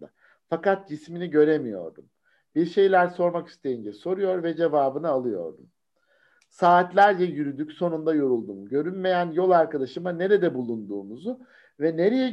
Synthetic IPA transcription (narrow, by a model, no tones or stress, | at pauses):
d̪a̰ | fakat̪̚d͡ʒisminiɟø̞ɾemijo̞̰ɾd̪um | biɾʃe̞jlʲæɾso̞ɾmaki̥st̪ʰe̞jind͡ʒɛso̞ɾujo̞ɾvɛd͡ʒe̞vaːbɯnɯalˠɯjo̞̰ɾd̪um | saːt̪lʲæɾd͡ʒɛjyɾyd̪ycso̞nund̪ajo̞ɾulˠd̪umɟø̞ɾynme̞jænjo̞lˠaɾkad̪aʃɯmane̞ɾɛd̪ɛbulˠund̪uːmuzu | vɛne̞ɾe̞jɛ